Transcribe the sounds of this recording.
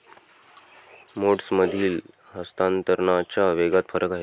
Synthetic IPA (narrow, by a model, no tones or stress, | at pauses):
moʈsməd̪ʱiːl | ɦəst̪ant̪əɾɳat͡ɕaʋeɡat̪fəɾəkaɦe